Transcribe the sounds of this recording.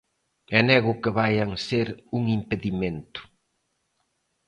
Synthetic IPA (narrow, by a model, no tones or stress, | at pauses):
ɛnɛɣʊkɪβajaŋseɾuŋimpeðimẽnt̪ʊ̥